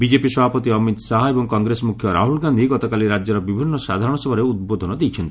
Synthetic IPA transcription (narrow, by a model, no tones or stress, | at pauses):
bid͡ʒepisɔbʱapɔt̪iɔmit̪saɦɔebɔŋkɔŋɡɾesɔmukʰjɔɾa̰ɦulɡand̪ʱiɡɔt̪ɔkaliɾad͡ʒjɔɾɔbibʱinːɔsad̪ʱaɾɔɽ̃ɔsɔbʱɔɾeud̪̚bod̪ʱɔnɔd̪ejt͡ʃʰɔnt̪i̥